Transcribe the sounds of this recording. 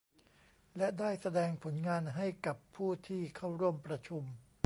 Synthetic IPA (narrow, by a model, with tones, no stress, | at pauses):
lɛ˦˥daː˥˩jsa˧dɛː˧ŋpʰo˩˦nŋaː˧nɦa˥˩jka˨˩pʰːuː˥˩t̪ʰiː˥˩kʰa˥˩wɾu˥˩əmpɾa˧t͡ɕʰu˧m